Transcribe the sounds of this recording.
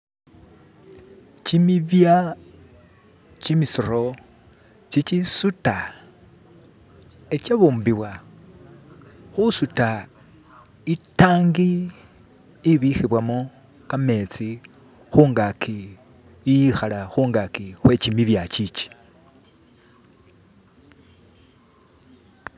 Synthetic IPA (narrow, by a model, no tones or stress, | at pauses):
t͡ʃimiβja | t͡ʃimisiɾo | t͡ʃit͡ʃisuta | et͡ʃeβuːmbiwa | xusuta | itaːŋɡi | βixiβwamo | kame̞t͡si | xuŋɡakʰi | ijixalaxuːŋɡakixwe̞t͡ʃimiβjat͡ʃit͡ʃi̥